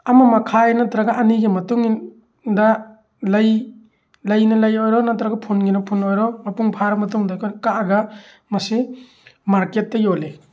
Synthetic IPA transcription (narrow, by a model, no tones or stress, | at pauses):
ɐmɐmɐkʰajnatɾaɡaʔːniɡemɐtuŋin | da | lɐj | lɐjnɐlɐjojɾɔnatɾaɡɐpʰunɡinɐpʰunojɾɔmɐpuŋpʰaɾɐmɐtuŋdakʰɔnkaːɡɐ | mɐsi | maɾket̚ːɐjole